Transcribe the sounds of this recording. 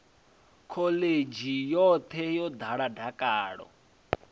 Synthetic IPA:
kʰɔled͡ʒijɔt̪ʰɛjɔd̪ʱaɺadʱakʼaːɺɔ̰

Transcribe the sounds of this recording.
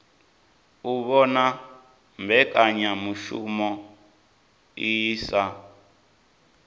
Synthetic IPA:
uβɔna | mbʱɛkʼaɲamuʃṵmɔ | iːsa

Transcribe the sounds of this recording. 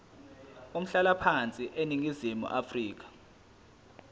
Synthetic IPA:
um̩ɬalapʰant͡sʼiʔeniŋizimṵʔafriːk̬ḁ

